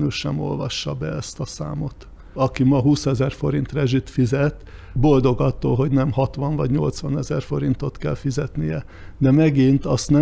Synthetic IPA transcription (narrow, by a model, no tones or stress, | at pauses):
nyʃɛmo̞̰lvɒʃːɒbɛɛst̪ɒsa̰ːmo̞t̪ | ɒkimɒɦuːsɛzɛrfo̞ɾin̪t̪rɛʒit̪fizɛt̪ | bo̞ld̪o̞ɡɒt̪ːo̰ːlɦo̞ɟnɛmhɒt̪ʋɒɱvɒɟɲo̞lt̪sʋɒnɛzɛrfo̞ɾint̪ot̪kɛlfizɛt̪nijɛ | d̪ɛmɛɡint̪ɒst̪nɛ